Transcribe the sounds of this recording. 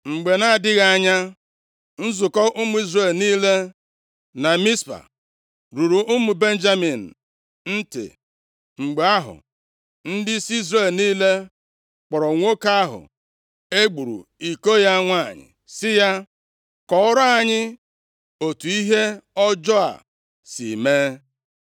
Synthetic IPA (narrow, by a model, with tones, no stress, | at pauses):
ŋ͡m̩˨ɡ͡be˨na˦˨dɪ˦ɣa˨a˨ɲa˦ | n̩˦zʊ˨kɔ˦ʔʊ˦mʊ˦i˦zɾe˦˨lniː˦le˦ | na˨mi˦spa̰˨ | ɾu˨ɾu˨ʊ˦mu˨be˦n̩˦d͡ʒa˦mi˨n̩˨ | n̩˦tɪ̰˨ | ŋ͡m̩˨ɡ͡be˨a˦ɦʊ̰˨ | n̩˦dɪ˦si˦i˦zre˨lniː˦le˦ | k͡pɔ˨ɾɔ˨ŋʷo˦ka˦ɦʊ̰˨ | e˦ɡ͡bu˨ɾṵ˨i˨ko˦ja˦ŋʷa˦˨ɲɪ̰˨ | sɪ˦ja˦ | kɔ˦ʊ˦ɾa˦a˨ɲɪ˦ | o˨tu˨i˦ɦe˦ɔ˦d͡ʒɔ˦a̰˨ | sḭ˨meː˦